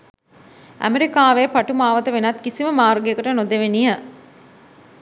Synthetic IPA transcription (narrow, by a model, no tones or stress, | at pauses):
ʔæ̰meɾikaːʋepaʈumaːʋət̪əʋenɐt̪kisiməmaːrɡekuʈənod̪eʋenijə